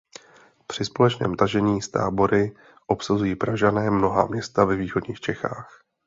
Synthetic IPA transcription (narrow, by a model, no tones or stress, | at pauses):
pr̥ɪspo̞lɛt͡ʃnɛ̰ːmt̪aʒɛɲiːst̪a̰ːbo̞ɾɪ | ʔo̞psazujiːpɾaʒanɛːmno̞ɦa̰mɲɛst̪avɛviːxo̞dɲiːxt͡ʃɛxaːx